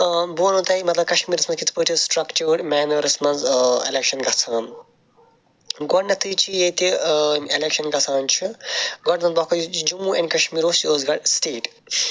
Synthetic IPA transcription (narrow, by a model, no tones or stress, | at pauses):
boːnũt̪ɐimɐt̪lɐb̚kɐʃmiːɾɐsmɐnzkit̪ʰi̥pətʰisʈɾɐkt͡ʃuːɾmɛːnɐʋɾɐsmɐnzḛlekʃɐnɡɐsʰaːn | ɡɔɖnɐt̪ʰɨt͡ʃʰijet̪ielekʃɐnɡɐsʰaːnt͡ʃʰiɡɔɖnɐnbɐkʰɐd͡ʒumuɐ̃nʲkɐʃmiːɾoːst͡ʃioːzɡɐɽsʈeːʈ